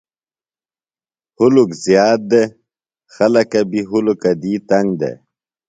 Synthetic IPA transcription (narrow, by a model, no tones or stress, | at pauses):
hulukzjaːt̪̚d̪e | xɐlɐkɐbiɦulukɐd̪iːt̪ɐŋɡd̪ḛ